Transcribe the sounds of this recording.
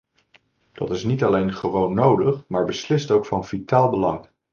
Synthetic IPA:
d̥ɑ̰tɪsnitɑlejnχəʋownːowdəχmaːɹbəslɪstowkfɑnvitaːlˠbəlɑŋ

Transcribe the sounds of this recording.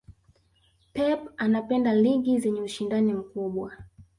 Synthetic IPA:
pɛpanapɛndaliɠizɛɲɛuʃindanim̩kuɓwa

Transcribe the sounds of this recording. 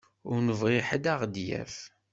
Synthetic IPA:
ʊɾnəvʁiħəd̪aʁd̪jæ̰f

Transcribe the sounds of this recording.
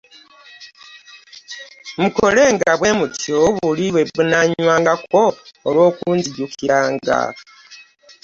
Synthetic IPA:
muko̞le̞ːŋɡaβwe̞mutʰoβuliβweβunaɲwaːŋɡakoːlwo̞ːkuːnziɟukiɾaːŋɡa̰

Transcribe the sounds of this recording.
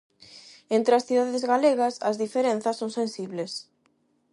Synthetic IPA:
ent̪ɾɪɐsθiðaðezɣaleɣɐsɐzðifeɾẽn̟θɐsːõŋsẽnsiβles

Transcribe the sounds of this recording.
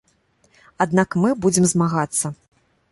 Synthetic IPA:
ad̪nakmɨbud͡zʲɪmzmaɣat̪sːɐ

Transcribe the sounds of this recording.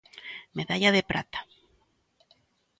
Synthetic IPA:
meðaʎaðepɾa̰t̪ḁ

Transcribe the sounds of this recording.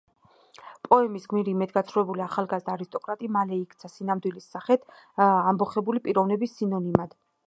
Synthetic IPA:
pʼɔɛmisɡmiɾimɛd̪ɡat̪sʰɾuvɛbuliaχalˠɡazd̪aːɾist̪ʼɔkʼɾat̪ʼimalɛikʰt̪sʰasinamd̪wilisːaχɛt̪ʰ | ambɔχɛbulipʼiɾɔvnɛbisːinɔnimad̪̥

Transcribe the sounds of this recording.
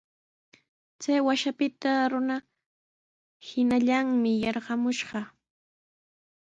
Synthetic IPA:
t͡sajwaʃapɪt̪aɾʊna | hɪnaʎaŋmɪjɑɾɢɑmʊʃɢɑ

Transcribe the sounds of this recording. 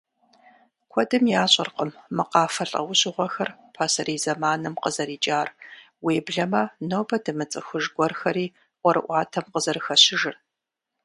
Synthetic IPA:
kʷʰɔdɨmjaːɕʼɪ̰rqəmːɨqɑːfɐɬʼɐ̰wʊɕʼɪʁʷɔxɐrpʰaːsɐɾiːzɐmaːnɨmqəzɐɾiːt͡ʃʼaːr | weːbɮɐmɐnoːbɐdɨmɨt͡sʼɨxʷʊʒɡʷɔrxɐɾiː | ʔʷɔɾɨ̰ʔʷɑːtʰɐmqəzɐrɨxɐɕɪʒɨr

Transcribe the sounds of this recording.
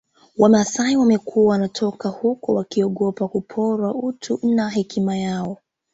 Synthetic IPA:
wamasaiwamɛkʰuawanatʰɔkahukɔwakiɔɠɔpakupʰɔɾwautʰunaɦɛkimajaɔ

